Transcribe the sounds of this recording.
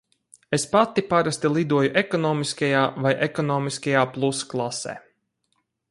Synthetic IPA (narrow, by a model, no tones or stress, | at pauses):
espat̪ipaɾast̪ilˠid̪uɔjuʔekɔnɔːmiskajaːvajʔekɔnɔːmiskajaːplˠusklˠasɛ̰ː